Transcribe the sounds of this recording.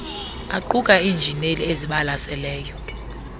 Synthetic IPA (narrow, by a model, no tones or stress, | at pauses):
aǃuk̬ʼaiːnd͡ʒʱinelieziɓalasɛlɛːjɔ